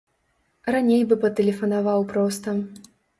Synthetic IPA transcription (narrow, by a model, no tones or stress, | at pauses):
ranʲejbɨpɐt̪ɛlʲɛfɐnavawpɾɔst̪ɐ